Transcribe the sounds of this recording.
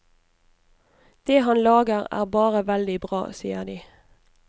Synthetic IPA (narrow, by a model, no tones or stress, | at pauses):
d̪̥eːhɑnlɑːɡəʁæ̰ːʁbɑːʁəʋɛld̪ɪbʁɑ̰ːsiːəʁd̪iː